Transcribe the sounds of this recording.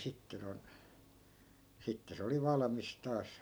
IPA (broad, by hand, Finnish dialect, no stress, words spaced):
sitːe non sitːe se oli ʋɑlɑmis tɑːs